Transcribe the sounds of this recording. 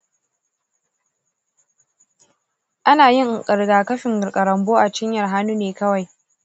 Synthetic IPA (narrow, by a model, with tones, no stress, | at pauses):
ʔa˦naː˨jɪ˦ŋʔkʼɐ˨ɽɡaː˨kɐ˦ɸɪ˨ŋɡɐ˨ɾkʼɐ˨ɾɐ˨mboː˦ʔa˨t͡ʃɪ˦ɲjɐ˨rɦa˦nuː˦neː˨kɐ˦wa˨j